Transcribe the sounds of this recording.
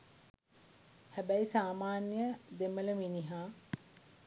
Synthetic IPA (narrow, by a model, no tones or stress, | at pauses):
hæbæisaːmaːnjəd̪emələminiɦaː